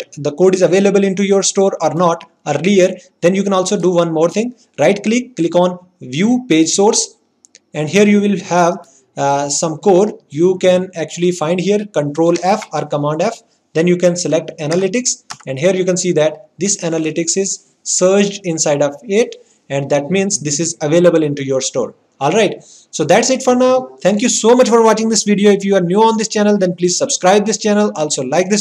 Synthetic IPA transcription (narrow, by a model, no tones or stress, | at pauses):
d̪əkoːɖɪzɐʋeːlebəlɪ̃ɳʈ̬ujoːɾsʈoːɾɔːɾnɔːʈ | əɾliəɾd̪ɛ̃njuːkɛ̃nɔːlsoːɖuʋʌ̃nmoːɾt̪ʰɪ̃ŋɡ | ɾaɪʈklɪkːlɪkɔ̃ːn | ʋjuːpeːd͡ʒsoːɾs | ɛ̃ɳɖɦiəɾjuːʋɪlhɛʋ | sʌ̃mkoːɖjuːkɛ̃næk̚t͡ʃuəlifãɪ̃ɳɖɦiəɾkə̃ɳʈɾoːlæfɔːɾkəmãːɳɖæf | d̪ɛ̃njuːkɛ̃nsɛlek̚ʈænəlɪʈɪksɛ̃ɳɖɦiəɾjuːkɛ̃nsiːd̪æʈ̚d̪ɪsænəlɪʈɪksɪz | səːɾd͡ʒɖɪ̃nsaɪɖɔʋɪʈ | ɛ̃ɳɖd̪æʈmĩːnsd̪ɪsɪzɐʋeːləbəlɪ̃ɳʈujoːɾsʈo̰ːɾ | ɔːlɾaɪʈ | soːd̪æʈsɪʈfɔɾnaʊt̪ʰɛ̃ŋk̬jusoːmʌt͡ʃfɔɾʋɔːt͡ʃɪ̃ŋd̪ɪsʋiɖioːɪfjuːʋəɾnjuːɔ̃ːnd̪ɪst͡ʃænəld̪ɛ̃npliːzsəbskɾaɪb̚d̪ɪst͡ʃænəlɔːlsoːlaɪk̚d̪ɪs